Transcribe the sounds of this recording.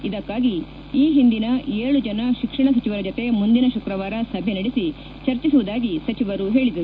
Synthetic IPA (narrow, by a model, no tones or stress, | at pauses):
id̪ɐkːaːɡi | iːɦind̪inɐʔeːɭud͡ʒɐnɐʃikʂɐɳɐs̬ɐt͡ʃiʋɐɾɐd͡ʒot̪e̞mund̪inɐʃukɾɐʋaːɾɐsɐbʱenɐɽisi | t͡ʃɐɾt͡ʃisuʋud̪aːɡisɐt͡ʃiʋɐɾuɦe̞ːɭid̪ɐɾu